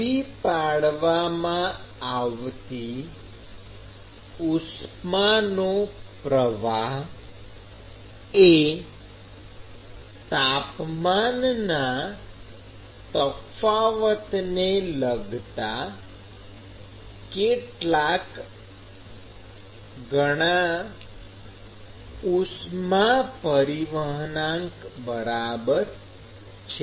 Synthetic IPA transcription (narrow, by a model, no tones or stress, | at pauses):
ipaɽʋamãaʋt̪i | usmanopɾəʋaɦ | e | t̪apmanna | t̪əfaʋət̪neləɡʱt̪a | keʈlak | ɡəɽ̃a | usmapəɾiʋəɦənãŋkbəɾabəɾ | t͡ʃʰe